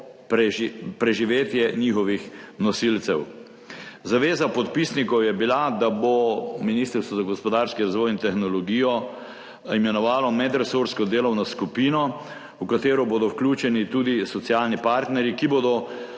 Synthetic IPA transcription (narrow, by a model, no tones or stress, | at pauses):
pɾɛpɾɛʒiʋeːt̪jɛnixɔʋixnɔsilt̪sɛw | zaʋeːzapɔt̪pisnikɔwjɛbilad̪abominist̪əɾst̪ʋɔzaɡɔspɔd̪aːɾskiɾazʋɔjint̪ɛxnɔlɔɡiːjɔ | imɛnɔʋaːlɔmɛd̪ɾɛsuɾskɔd̪eːlɔwnɔskupiːnɔ | ukat̪eːɾɔboːd̪ɔwklʲuːt͡ʃɛnit̪uːd̪isɔt̪sijaːlnipaːɾt̪nɛɾjikiboːd̪ɔ